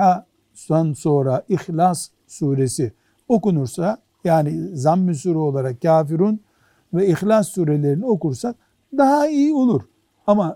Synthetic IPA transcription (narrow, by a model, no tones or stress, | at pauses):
a | sanso̞ːɾaʔixlas | suːɾesi | o̞kunuɾsa | jaːnizamːisuɾɛolˠaɾak̚caːfiɾun | vɛixlʲasːuːɾele̞ɾinio̞kuɾsa | d̪ahaijio̞lˠuɾ | ama